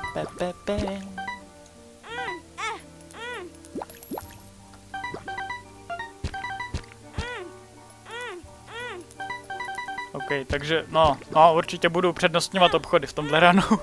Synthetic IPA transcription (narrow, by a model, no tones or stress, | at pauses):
pɛpɛpɛ | ʔowkɛjt̪aɡʒɛnonouɾt͡ʃɪcɛbudupr̝̥ɛdnost̪ɲovat̪ʔopxodɪft̪o̞mdlɛɾano